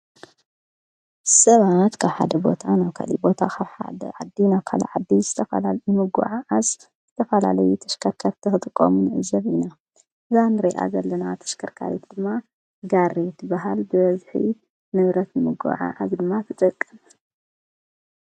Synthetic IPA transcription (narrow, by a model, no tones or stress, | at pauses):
sɐβat̪kʰaβħa̰d̪ɐbo̞t̪ʰanaβkʰa̰lḭbo̞t̪ʰakʰaβħa̰d̪ɐʕad̪ːinaβkʰa̰lɐ̰ʕad̪ːizɨt̪ʰɐfɐ̰lajɨmɨɡṵʕaʕaz | z̥ɨt̪ʰɐfɐla̰lɐjut̪ʰɐ̥ʃkʰɐɾkʰɐɾt̪ʰɨxɨt̪ʼɨkʼːomunʕɨzɐβina | ɨzanɨɾeʔa̰zɐlːɐnat̪ʰɐ̥ʃkʰɐɾkʰa̰ɾit̪d̪ɨmːa | ɡaɾːet̪ʰɨbaɦalbɨbɐzħḭ | nɨβɾɐt̪nɨmɨɡṵʕa̰ʔazd̪ɨmːat̪ʰɨt̪ʼɐkʼːɨn